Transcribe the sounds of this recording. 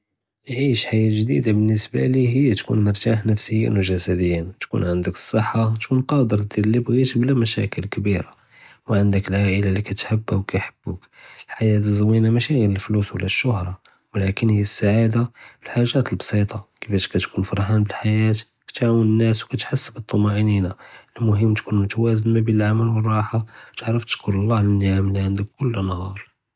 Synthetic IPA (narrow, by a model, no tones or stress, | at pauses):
jʕiʃħajæʒd̪ḭd̪abənːəsba̰liɦəjːæt̪kṵnməɾˤt̪aħnəfsəjːḭnwʒæsæd̪əjːint̪kṵnʕənd̪əkə̥sˤːəħːat̪kunqɑd̪əɾˤd̪ilːibɣit̪blæmæʃæ̰kəlkbiɾa | wʕənd̪əklʕaʔəlalikæt̪ħəbːawkæjħəb̥ːuk | əlħajæt̪əzˤwinamæʃiɣiɾəlfluswlːæʃːʊhɾˤɑ | wlækənhijːæsːaʕad̪aəlħaʒːæt̪əlbsˤit̪ˤɑkəfæʃkæt̪kunfɑɾˤħænbəlħajæt̪ | kæ̥t̪ʕawənənːæswkæt̪ħasːəbət̪ˤːɑmɑʔəninaʔəlmʊɦəmːt̪kunt̪wæzənmæbiəlʕaməlwərˤːɑħat̪əʕɾəft̪ə̥ʃkʰʊɾɑlˤːɑhlənːaʕamliʕənd̪əkːʊlːnhɑɾˤ